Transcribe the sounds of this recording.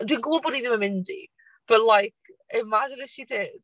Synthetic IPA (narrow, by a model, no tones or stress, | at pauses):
d̥winɡʊbɔlˠbɔɾiðiməmɪ̃ndḭ | b̥əʔlajkɪmad͡ʒɪ̃nɪfʃidɪd̥